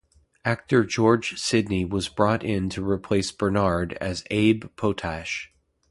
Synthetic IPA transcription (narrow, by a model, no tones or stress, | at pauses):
æk̚tə˞d͡ʒɔɹd͡ʒ̥sɪdⁿniwʌzbɹɔɾɪ̃ntʰɨɹipʰl̥eɪsb̥ə˞nɑɹdɨ̰zeɪbpʰoʊtʰæʃ